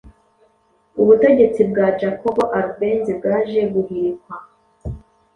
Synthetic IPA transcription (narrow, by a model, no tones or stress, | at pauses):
uβute̞ɟe̞t͡sib̚ɡad͡ʒakobo̞ʔaɾube̞ːnzibɡaːʒeɡuhiɾikwa